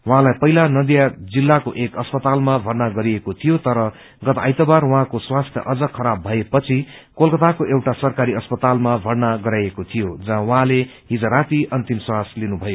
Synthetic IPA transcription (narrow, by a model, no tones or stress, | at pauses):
waɦãlajpʌɦilanʌd̪jad͡zilːakoʔekʌspʌt̪almabʱʌrnaɡʌɾiekot̪ʰijot̪ʌɾʌ | ɡʌt̪aːjt̪ʌbarwaɦãkoswast̪ʰjʌ̰ʔʌd͡zʌkʰʌɾabʱʌepʌt͡sʰikolkʌt̪akoʔewʈasʌrkaɾiʌspʌt̪almabʱʌrnaɡʌɾajekot̪ʰijod͡zʌɦãwʌɦãle | ɦid͡zʌɾat̪iʌnt̪imswaslinubʱʌjo